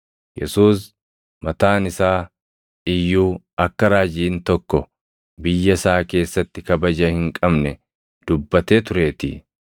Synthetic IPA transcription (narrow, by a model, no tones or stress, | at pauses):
jɛsuːs | mɐt̪aːnɪsaː | ɪjːuː | ɐkːɐɾaːd͡ʒiːnt̪ɔkːɔ | bɪjːɐsaːke̞ːsːɐt̪ːɪkɐbɐd͡ʒɐhɪŋkʼɐbnɛ | d̪̥ʊbːɐt̪e̞ːt̪ʊɾe̞ːt̪i